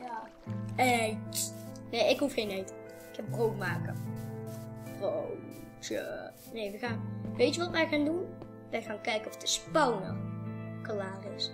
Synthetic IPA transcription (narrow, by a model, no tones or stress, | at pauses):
ɛ | neːɪkhufxeːnejt | ɪkhɛp̚browtmaːkə | bro | tə̰ | neːʋəxaːnʋeːtəʋɔtʋɛjxaːndun | ʋɛjxaːnkɛjkənɔfdəspɔwnə̰kalaːrɪs